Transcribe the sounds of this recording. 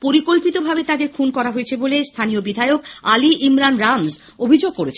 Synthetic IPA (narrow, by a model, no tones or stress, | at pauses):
poɾikolpit̪obʱabet̪ad̪eɾkʰunkɔɾaɦoet͡ɕʰebolest̪ʰaniobid̪ʱaeokaliʔimɾanɾamz | obʱid͡ʑoɡ̚koɾet͡ɕʰe